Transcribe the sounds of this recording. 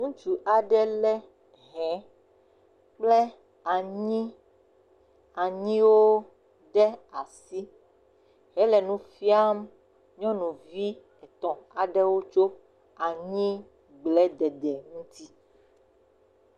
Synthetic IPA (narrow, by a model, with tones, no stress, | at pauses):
ŋũ˦t͡ʃu˨ʔa˨ɖɛ˦lɛ˦ | ɦɛ̃˨˦ | k͡plɛ˦ | a˨ɲĩ˦ | a˨ɲĩ˦wo˦ | ɖɛ˦a˨si˦ | ɦɛ˦lɛ˨nũ˦fi˦a˦m | ɲɔ̃˦nũ˨vi˦ | ɛ˨t̪ɔ̃˨a˨ɖɛ˦wo˦t͡ʃo˦ | a˨ɲĩ˦ | ɡ͡blɛ˦d̪ɛ˨d̪ɛ˨ŋũ˦t̪i˦